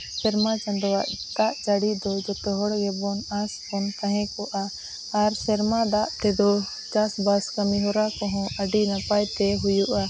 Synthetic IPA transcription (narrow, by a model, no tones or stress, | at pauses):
sɛɾmat͡ʃãnd̪ɔwaʔd̪aʔt͡ʃaɽid̪ɔd͡ʒɔt̪ɛɦɔɽɡɛbɔnasbɔnk̪ãɦɛ̃kɔʔaː | ɾsɛɾmad̪aʔt̪ɛd̪ɔ | t͡ʃasbaskamiɦɔɾakɔɦɔ̃əɖinapajt̪ɛɦujuʔa